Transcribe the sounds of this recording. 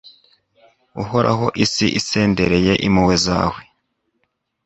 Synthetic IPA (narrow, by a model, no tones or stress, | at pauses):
uɦo̞ɾa̰ɦo̞ʔisiʔise̞ːndeɾe̞je̞ʔimuwe̞za̰ːwe̞